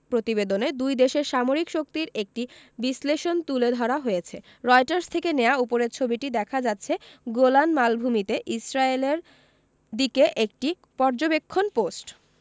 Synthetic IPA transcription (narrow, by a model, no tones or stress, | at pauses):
pɾot̪ibed̪oned̪ujd̪eʃeɾʃamoɾikʃok̚t̪iɾek̚ʈibisleʃont̪uled̪ʱɔɾaɦojet͡ɕʰe | ɾɔjʈaɾst̪ʰekenejaupoɾeɾt͡ɕʰobiʈid̪ɛkʰad͡ʑat̪ːɕʰeɡolanmalbʱumit̪eʔisɾaeleɾ | d̪ikeʔek̚ʈi | pɔɾd͡ʑobekʰːonposʈ